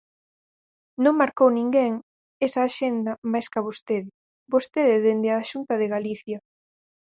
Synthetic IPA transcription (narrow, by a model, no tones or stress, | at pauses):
nõŋmaɾkownĩŋɡeŋ | esɐːʃend̪ɐmajskɐβost̪eðɪ | bost̪eðɪðend̪ɪaːʃunt̪ɐðɪɣaliθjɐ